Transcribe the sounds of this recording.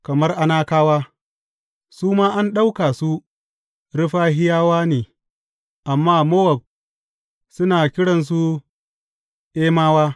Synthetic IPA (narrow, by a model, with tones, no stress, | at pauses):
kɐ˨mɐ˦rʔa˦naː˦kaː˦waː˦ | suː˦maː˦ʔa˦nɗa˦wka˨su˦ | ɽɪ˦ɸaː˦ɦɪ˦jaː˦waː˦neː˨ | ʔa˨mːaː˦mɐ˦wɐ˨b̚ | sʊ˦naː˨kʲɪ˦ɽɐ˨ns̬u˦ | ʔeː˦maː˦waː˦